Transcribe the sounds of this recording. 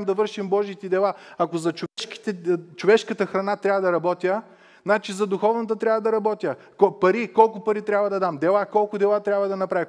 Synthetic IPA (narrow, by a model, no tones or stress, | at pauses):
md̪ɐvɤɾʃimbɔʒiːt̪ɛd̪ɛlˠaɐkozɐt͡ʃoɛʃki̥t̪ɛt͡ʃovɛʃkət̪əxɾɐnat̪ɾʲabvɐd̪ɐɾɐbɔt̪ʲjə | znat͡ʃizɐd̪ʊxɔvnɐt̪ət̪ɾʲabvɐd̪ɐɾɐbɔt̪ʲjə | kopɐɾikɔlˠkʊpɐɾit̪ɾʲabvɐd̪ɐd̪amd̪ɛlˠakɔlˠkʊd̪ɛlˠat̪ɾʲabvɐd̪ɐnɐpɾavʲi